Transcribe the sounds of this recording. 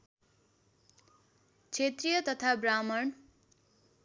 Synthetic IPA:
t͡sʰet̪rijʌt̪ʌt̪ʰabramʌɳ

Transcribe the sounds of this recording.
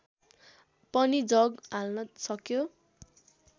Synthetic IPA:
pʌnid͡zʌɡalnʌsʌkjo

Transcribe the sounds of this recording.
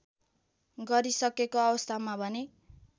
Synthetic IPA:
ɡʌɾisʌkekoʌbʌst̪ʰamabʱʌne

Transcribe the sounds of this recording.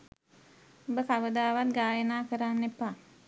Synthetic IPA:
obəkaʋəd̪aːʋat̪̚ɡaːjənaːkəɾanːepːa

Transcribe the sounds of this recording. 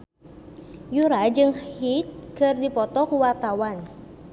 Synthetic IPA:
juɾad͡ʒɨŋhit̪̚kɨrdipɔt̪ɔkuwart̪awan

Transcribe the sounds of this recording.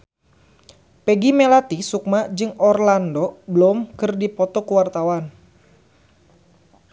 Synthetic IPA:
pɛɡimɛlat̪isuk̚mad͡ʒɨŋɔrlandɔbəlɔmkɨrdipɔt̪ɔkuwart̪awan

